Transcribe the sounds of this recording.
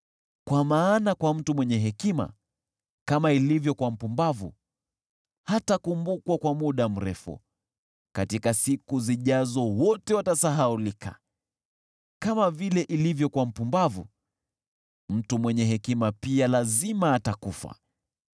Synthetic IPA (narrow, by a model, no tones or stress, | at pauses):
kwamaːnakwam̩tumwɛɲɛɦɛkima̰ | kamailivjɔkwam̩pumbavṵ | hatakumbukwakwamuɗam̩ɾɛfṵ | katikasikuziʄazɔwɔtɛwatasaɦaulikʰa̰ | kamavilɛʔilivjɔkwam̩pumbavṵ | m̩tumwɛɲɛɦɛkimapialazimaːtakufa̰